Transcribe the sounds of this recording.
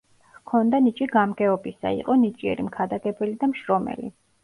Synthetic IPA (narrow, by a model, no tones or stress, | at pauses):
kʰɔnd̪anit͡ʃʼiɡamɡɛɔbisa̰ḭqʼɔnit͡ʃʼiɛ̰ɾimkʰad̪aɡɛbɛlid̪amʃɾɔmɛ̰lḭ